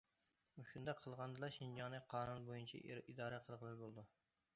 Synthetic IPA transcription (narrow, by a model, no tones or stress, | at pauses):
uʃund̪ɑqʰəlˠʁɑnd̪ɨlˠɑʃind͡ʒɑŋnɨqʰɑːnunbojunt͡ʃʰɛ̰id̪ɑːɾɛqʰəlˠʁəlˠɨɾbolˠd̪u